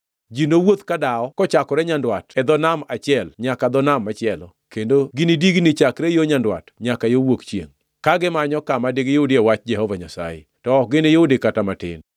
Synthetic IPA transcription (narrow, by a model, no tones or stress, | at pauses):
d͡ʒinowot̪kadaɔkɔt͡ʃakɔɾɛɲandwatɛd̪ɔnamat͡ʃɪɛlɲakad̪ɔnamːat͡ʃɪɛlɔ̰kendoɡɪnidiɡnɪt͡ʃakɾejoɲandwa̰tɲakajowokt͡ʃjeŋ | kaɡɪmaɲɔkamadiɡjoudɪɛwat͡ʃd͡ʒɛhɔvaɲasa̰jḛtɔɔk̚ɡɪnɪjoudɪkatamatɪ̰n